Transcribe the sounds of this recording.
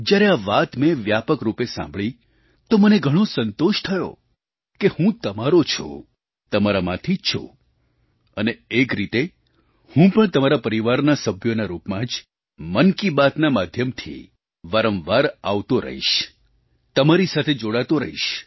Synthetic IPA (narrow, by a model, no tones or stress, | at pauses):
d͡ʒjaɾeaʋat̪mẽʋjapəkɾupesã̰mbɭĩ | t̪oməneɡʱəɽ̃osənt̪oʃt̪ʰəjo̰ | kehũt̪əmaɾot͡ʃʰo̰ | t̪əmaɾamã̰t̪ʰit͡ʃʰo̰ | əneekɾit̪e | hũpəɳt̪əmaɾapəɾiʋaɾnasəbʱjonaɾupmãd͡ʒ | mənkibat̪namad̪ʱjəmt̪ʰḭ | ʋaɾə̃mʋaɾaʋt̪oɾə̰ɦḭʃ | t̪əmaɾisat̪ʰed͡ʒoɽat̪oɾəɦḭʃ